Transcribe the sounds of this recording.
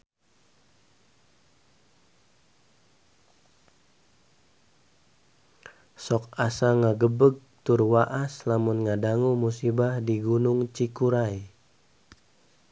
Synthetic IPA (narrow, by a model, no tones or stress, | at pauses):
sɔk̚asaŋaɡəbəɡ̚t̪ʊrwaʔaslamunŋadaŋumusibahdiɡunʊŋt͡ʃikuɾaj